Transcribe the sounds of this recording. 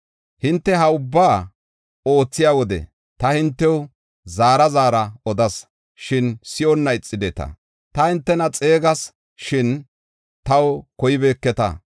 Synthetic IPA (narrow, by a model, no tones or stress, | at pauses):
hɪnt̪ːɛɦɐʊbːaː | o̞ːt͡sːɪjaːwɔd̪ɛ̰ | t̪ɐhɪnt̪ːɛw | zaːɾɐzaːɾɐɔd̪ɐs | ʃɪnsɪjɔnːɐɪt͡sʼːɪd̪ɛt̪ɐ̰ | t̪ɐhɪnt̪ːɛnɐt͡sʼe̞ːɡɐs | ʃɪn | t̪ɐwkɔjɪbeːkːɛt̪ɐ̰